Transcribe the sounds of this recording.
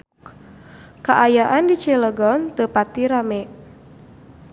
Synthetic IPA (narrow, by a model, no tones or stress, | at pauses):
kaʔajaʔandit͡ʃɛləɡɔnt̪əpat̪iɾamɛʔ